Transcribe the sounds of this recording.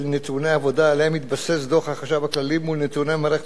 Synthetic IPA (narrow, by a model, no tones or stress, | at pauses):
lnet̪uneaavo̞daleemit̪basesdoχaχaʃavaklalimulnet̪unemaɾeχe